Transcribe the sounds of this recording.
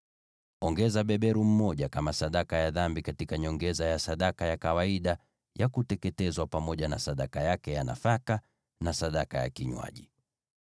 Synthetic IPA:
ɔŋɡɛzaɓɛɓɛɾum̩mɔʄakamasaɗakajaðambikatikaɲɔŋɡɛzajasaɗakajakawaiɗa | jakutɛkɛtɛzwapamɔʄanasaɗakajakɛjana̰faka | nasaɗakaja̰kiɲwa̰ʄi

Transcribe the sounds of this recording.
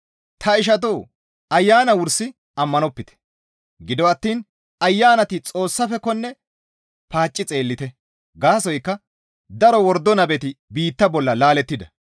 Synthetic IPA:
t̪ʰɐɪʃ̬ɐt̪̬oː | ɐjːaːnɐwʊɾsɪ | ɐmːɐnɔpːɪt̪ɛ̥ | ɡɪd̪ɔɐt̪ːiːn | ɐjːaːnɐt̪ɪt͡sʼo̞ːsːɐfɛkɔnːɛ | paːt͡ʃʼːɪt͡sʼe̞ːlːɪt̪ɛ | ɡaːsɔjkːɐ | d̪ɐɾɔwɔɾd̪ːɔnɐbɛt̪ɪbiːt̪ːɐbɔlːɐlaːlɛt̪ːɪd̪ɐ

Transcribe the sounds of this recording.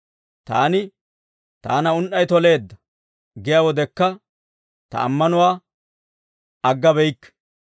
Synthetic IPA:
t̪a̰ːnɪ | t̪a̰ːnɐʊnʔɐjt̪ɔle̞ːd̪ːɐ | ɡɪjawɔd̪ɛkːɐ | t̪ɐ̰ːmːɐnʊwaː | ɐɡːɐbɛjkː

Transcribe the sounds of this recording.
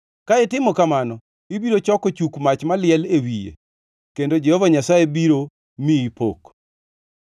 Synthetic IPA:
kaɪtɪmɔkamanɔ | ibiɾot͡ʃɔkɔt͡ʃukmat͡ʃmalɪɛlewijḛ | kendod͡ʒɛhɔvaɲasajebiɾo | miːpo̰k

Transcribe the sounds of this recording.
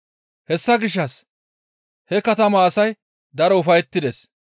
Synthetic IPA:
hɛsːɐɡɪʃ̬ːɐs | hɛkɐt̪ɐmɐːsɐj | d̪ɐɾɔʊfɐjɛt̪ːɪd̪es

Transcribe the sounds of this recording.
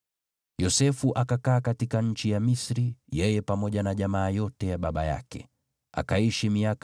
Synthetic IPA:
jɔsɛfuʔakakaːkatikaɲ̩t͡ʃijamisɾijɛjɛpamɔʄanaʄamaːjɔtɛjaɓaɓaja̰kɛ̰ | a̰kaiʃimiak

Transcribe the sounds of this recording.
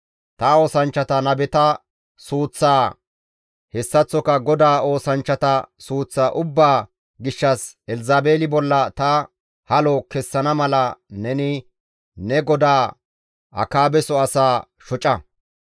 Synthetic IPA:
t̪ɐo̞ːsɐnt͡ʃːɐt̪ɐnɐbɛt̪ɐ | suːt͡sːaː | hɛsːɐt͡sːɔkɐɡɔd̪aːo̞ːsɐnt͡ʃːɐt̪ɐsuːt͡sːaʔʊbːaː | ɡɪʃːɐsɛlzaːbeːlɪbɔlːɐt̪ɐ | hɐlɔkɛsːɐnɐmɐlɐnɛnɪ | nɛɡɔd̪aː | ʔɐ̰kaːbɛsɔɐsaː | ʃɔt͡ʃʼɐ

